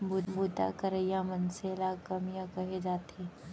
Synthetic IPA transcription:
bubut̪a̰kɐɾəjamɐnseːlakɐmijakɐɦed͡ʒaːt̪e

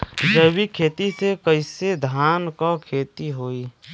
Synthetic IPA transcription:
d͡ʒəwikʰeːt̪isekəɪsed̪ʱaːnkakʰeːt̪iɦoːiː

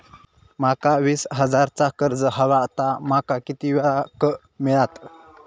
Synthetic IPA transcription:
makaʋiːsɦəd͡zaɾt͡sakəɾd͡zəɦəʋat̪amakakit̪iʋaakə | miɭat̪

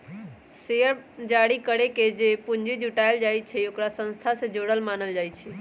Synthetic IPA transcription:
seəɾd͡ʒaɽikəɾeked͡ʒepund͡ʒid͡ʒuʈaɪld͡ʒajt͡ʃʰɛokɾasə̃nst̪ʰasẽd͡ʒoɽəlmanəld͡ʒaːjt͡ʃʰi

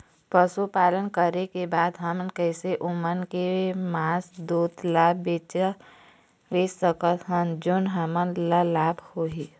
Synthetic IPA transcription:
pəsupaːlənkəɾekebaːd̪ɦəmnkɛːseʔʊmənkemaːsd̪uːt̪laːbbeːt͡ʃa | ʋeːsəkət̪ɦənd͡ʒʊnɦəmənlalaːbhoi

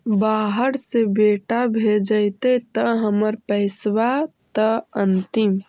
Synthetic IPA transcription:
baɦəɾsebeʈabʱed͡ʒəjt̪et̪əɦəməɾpəɪsʋatt̪əənt̪im

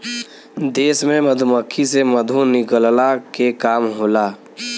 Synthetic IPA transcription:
d̪eːsmẽməd̪ʱuməkʰːiseməd̪ʱunɪkəllakekaːmɦoːlaː

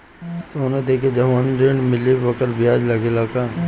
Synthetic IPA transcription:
soːnad̪eːked͡ʒɐʋaːnɾeɳɖmɪlibɐkəɾbɪjaːd͡ʒlɐɡelaːkaː

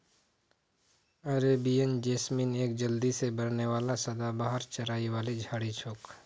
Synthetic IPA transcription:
ɐɾeːbiənd͡ʒeːsmiːneːk̚d͡ʒəld̪isebəɾneʋaːlasɐd̪abaːɦəɾt͡ʃɐɾaːiwaːlid͡ʒʱaːɽit͡ʃʰʊːk

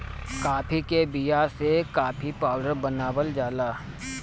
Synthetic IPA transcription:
kaːpʰikebijasekaːpʰipaːʊɖəɾbənaːwəld͡ʒaːlaː

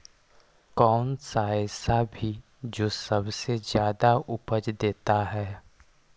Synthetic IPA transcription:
kɔːnsaːjsabʱi | d͡ʒoːsɐbsezjaːd̪aʊpəd͡ʒd̪eːt̪aɦɛː

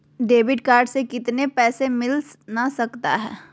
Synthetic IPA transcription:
ɖeːbɪʈkaːɾɖsekɪt̪nepɛːsemɪlnasɐkt̪a̰ɦɛ̰ː

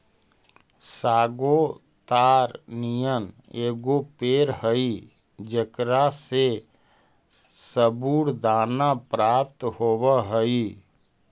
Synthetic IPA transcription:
saːɡo | t̪aːɾnijən | eːɡopeːɾɦəi | d͡ʒəkɾase | səbuːɽd̪aːnapɾaːp̚t̪hoːwəɦəi

